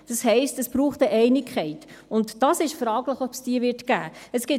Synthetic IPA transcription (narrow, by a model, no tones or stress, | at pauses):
d̥ɑshɛɪstəsb̥ɾuːχtəʔɛɪnɪkʰχɛɪt | ʊntd̥ɑsɪʃfɾɑːɡləχɔpsd̥iːəvɪɾtkæ̰ːəsɡ̥ɪ